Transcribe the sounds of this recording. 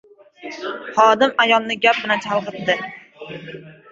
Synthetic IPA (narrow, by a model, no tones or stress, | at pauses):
χɒd̪ɪmajɒlˠnɪɡʲap̚bɪlant͡ʃʰɑlˠqɨt̪d̪ɪ